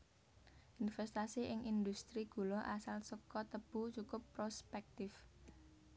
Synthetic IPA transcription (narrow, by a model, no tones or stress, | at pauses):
ʔinfɛst̪asiʔɪŋʔind̪ust̪ɾiɡ̥ṳlɔʔasalsəkɔt̪əb̥ṳt͡ʃukʊpːɾospɛk̚t̪ɪf